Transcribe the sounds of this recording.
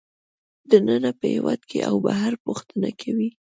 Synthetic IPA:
d̪ənənapəhewɑd̪kʰeʔawbaɦaɾpuxt̪ənakʰawi

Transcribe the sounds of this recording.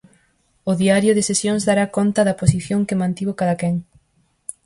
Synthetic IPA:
ʊðiaɾjʊðɪsesjoŋzðaɾakont̪ɐðɐposiθjõŋkɪmãnt̪iβokaðakɛŋ

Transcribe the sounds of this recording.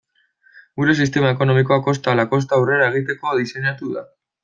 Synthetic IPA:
ɡuɾe̞sist̪e̞mae̞ko̞no̞miko̞ako̞st̪alako̞st̪aːwre̞ɾae̞ɣ̞it̪e̞ko̞ðise̞ɲat̪uða̰

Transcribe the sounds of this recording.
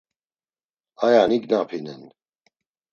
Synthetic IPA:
ajaniɡnapʰinɛn

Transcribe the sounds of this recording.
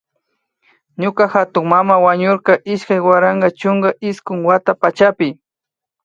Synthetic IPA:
ɲʊkaxat̪ʊŋmamawaɲʊɾkɑʔɪʃkajwaɾaɴɢɑt͡ʃʊŋɡaʔɪskʊŋwat̪apat͡ʃapɪ

